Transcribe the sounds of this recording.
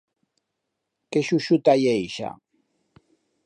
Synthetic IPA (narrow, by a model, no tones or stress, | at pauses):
keʃuʃut̪ajejʃa̰